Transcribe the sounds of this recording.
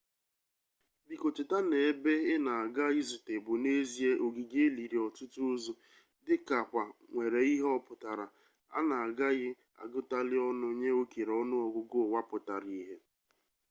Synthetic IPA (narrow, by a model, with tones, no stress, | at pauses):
bi˨ko˨t͡ʃɪ˨ta˦ne˨˦be˦ɪ˦na˨a˨ɡa˦ɪ˦zʊ˨te˨bʊ˨ne˦zi˦e˦ʔo˨ɡi˨ɡe˦li˨ɾi˨ɔ˨tʊ˦tu˦o˦zu˦ | dɪ˦ka˨kʷa˨ŋʷe˨ɾe˨i˦ɦɔ˦pʊ˨ta˨ɾa˨ | a̰˦na˨a˨ɡa˦ɣɪ˦ | a̰˨ɡʊ˦ta˦lɪ˦ɔ˦nʊ˦ɲe˦o˦ki˨ɾɔ˦nʊ˦ɔ˨ɡʷʊ˦ɡʊ˦˨wa˦pʊ˨ta˨ɾi˦ɦe˦